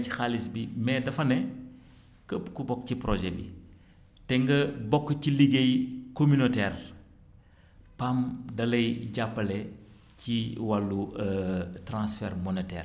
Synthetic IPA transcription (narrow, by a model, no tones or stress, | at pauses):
ixalisbimɛdɐfɐnɛ | kəpkubɔkːcipɾoʒɛbḭ | tɛŋɡɐbɔkːciliɡejkomynotɛːr | pamdɐlɐjɟapːɐlɛ | ciwɐlːuətɾãnsfɛːɾmɔnɛtɛ̰ːr